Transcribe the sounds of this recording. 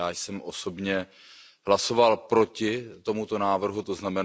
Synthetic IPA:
aːjsɛmʔo̞so̞bɲɛ | ɦlaso̞valpɾo̞cɪt̪o̞mut̪o̞naːvr̩ɦut̪o̞znamɛ

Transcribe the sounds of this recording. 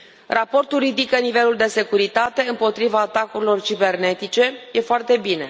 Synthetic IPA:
rapo̞rt̪ulɾid̪ikənive̞luld̪e̞se̞kuɾit̪at̪e̞ɨmpo̞t̪ɾivaːt̪akuɾilo̞rt͡ʃibe̞rne̞t̪it͡ʃe̞jʔe̞foart̪e̞bine̞

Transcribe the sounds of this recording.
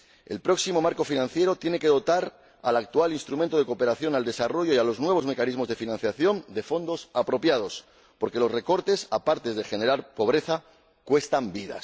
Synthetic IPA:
e̞̰lpɾo̞ksimo̞maɾko̞finãnθje̞ɾo̞t̪je̞ne̞ke̞ðo̞t̪aɾ | alak̚t̪ualinst̪ɾument̪o̞ð̞e̞ko̞pe̞ɾaθjo̞nald̪e̞saro̞ʝo̞ialo̞znwe̞β̞o̞zme̞kanizmo̞zðe̞finãnθjaθjo̞nd̪e̞fo̞nd̪o̞sapɾo̞pjað̞o̞s | po̞ɾke̞lo̞sre̞ko̞ɾt̪e̞sapaɾt̪e̞zðe̞xe̞ne̞ɾaɾpo̞β̞ɾe̞θa | kwe̞st̪ambiða̰

